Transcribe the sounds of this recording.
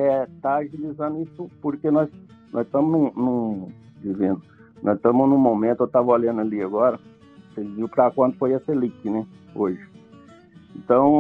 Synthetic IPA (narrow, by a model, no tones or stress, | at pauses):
ɛt̪aːʒilizɐ̃nd̪ʊisʊpoɾkenɔz | nɔzit̪ɐ̃mʊznũnũ | d͡ʒivẽnd̪ʊ | nɔzɪt̪ɐ̃mʊznʊ̃momẽnt̪ʊewt̪avɐolɐ̃nʊɐliaɡɔɾɐ | seviwpɾakwɐ̃nt̪ʊ̥fojɛsɐlikɪnɛoʒɪ | ẽnt̪ɐ̃w̃